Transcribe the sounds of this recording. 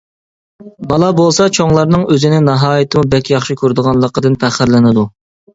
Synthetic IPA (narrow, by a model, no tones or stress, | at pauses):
bɑlˠɑbolˠsɑt͡ʃʰoŋlˠɑɾnɨŋøzɪnɪnɑɦɑːjit̪ʰɨmubɛkʲʰjɑχʃikʲʰøɾd̪əʁɑnlˠəqəd̪ɨnpʰæχɪɾlɪnɨd̪u